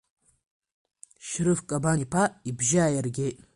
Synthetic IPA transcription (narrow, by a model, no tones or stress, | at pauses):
ʃɾɨfkʼabanipʰaibʒaajarɡʲetʼ